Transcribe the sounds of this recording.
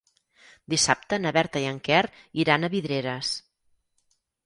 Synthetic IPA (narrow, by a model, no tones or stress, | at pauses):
d̪isap̚t̪ənəβɛɾt̪əiəŋkɛr | iɾanəβiðɾeɾəs